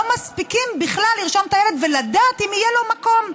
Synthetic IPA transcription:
omaspikimbiχlalːiʁʃomt̪ajele̞d̪velad̪aːt̪imijelo̞mako̞m

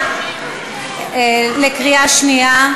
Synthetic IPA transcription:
lekʁiaʃnia

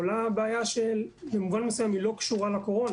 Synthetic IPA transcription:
olabeːjaʃelbemuvanmesujemilo̞kʃuʁalako̞ʁo̞n

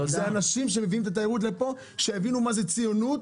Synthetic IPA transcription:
zeanaʃimʃ̬e̞me̞viimt̪at̪̬ajeʁut̪̬le̞po̞ | ʃeevinumaze̞t͡sijo̞nut̪

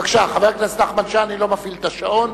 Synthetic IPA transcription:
akʃaχaveʁknesnaχmanʃaːnilo̞mafilt̪aʃaon

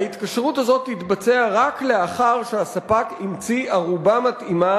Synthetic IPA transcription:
ait̪kaʃʁuthazo̞t̪ːit̪bat͡se̞aʁakleaχaʁʃeasapakimt͡siaʁubamatima

